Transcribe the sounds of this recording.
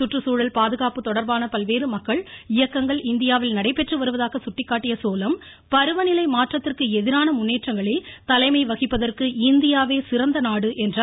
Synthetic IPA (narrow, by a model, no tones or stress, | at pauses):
sʊʈrɯsuːɻɐlpaːðɯɣaːpɯt̪ːɔɽɐɾbaːnɐpɐlʋeːɾɯmɐkːɐɭɪjɐkːɐŋɡɐɭɪnd̪ɪjaːʋɪlnɐɽɐɪpːɛʈrɯʋɐɾɯʋɐðaːɣɐsʊʈːɪkːaːʈːɪjɐsoːlɐm | pɐɾɯʋɐnɪlɐɪmaːʈrɐt̪ːɪrkɯɛðɪɾaːnɐmʊnːeːʈrɐŋɡɐɭeːt̪ɐlɐɪmɐɪʋɐɣɪpːɐðɐrkɯɪnd̪ɪjaːʋeːsɪɾɐnd̪ɐnaːɽɯʔɛndra